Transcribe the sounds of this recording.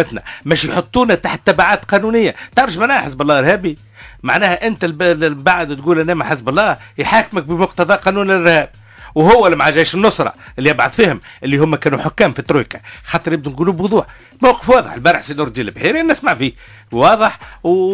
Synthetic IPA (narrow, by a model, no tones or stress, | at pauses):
ɪt̪nɛ̰mæːʃjħot̪ˤːuːnæt̪aːħt̪ːæbaʕaːt̪qɑːnuːnɪjːat̪ɑʕɾˤɑʃmaʕnæːhħəs̬bɑlˤːɑːɪɾhæːbi | maʕnæːhæʔɪnt̪ælbaʕd̪t̪̚ɡuːlʔænːæːmæħɪsbɑlˤːɑːjħaːkmək̚bəmʊqt̪ɑðˤɑːqɑnuːnɪlʔɪɾhæːb̚ | whʊwːælimaʕaʒæːʃɪnːʊsˤɾˤɑ̰ʔɪlːiʔɑbʕʊðˤfiːhʊmʔɪlːihʊmːækæːnuħʊkːæːmfit̪ːɾukḁxɑːt̪ˤɨɾˤjɪb̚d̪unɡuːluːbwʊðˤuːħ | mawqə̥fwɑːðˤə̰ħəlbɑɾˤəħsinʊɾˤd̪ilɪbħiːɾiænːɪsmaʕfiː | wɑːðˤəħw